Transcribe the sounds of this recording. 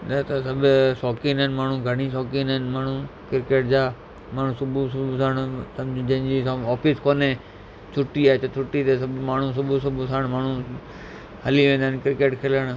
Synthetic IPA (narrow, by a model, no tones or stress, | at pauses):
ɗat̪ɐsɐbʊsɔːkinənmaːɳ̤ũɡʱɐɽ̃isɔːkinənmaːɳ̤ũkɪɾɪkeːʈ̚d͡ʑaː | maːɳ̤ũsʊbusʊbsaːɽ̃sɐmd͡ʑd͡ʑɐ̃ɪ̃d͡ʑisɔːfɪskoːne | t͡ʃʰʊʈːiaːet͡ʃɐt͡ʃʰʊʈːit̪esɐbmaːɳ̤ũs̬ʊbʱusʊbʱusaːɽ̃maːɳ̤u | hɐliʋẽːnd̪ankɪɾɪkeːʈkʰeləɽ̃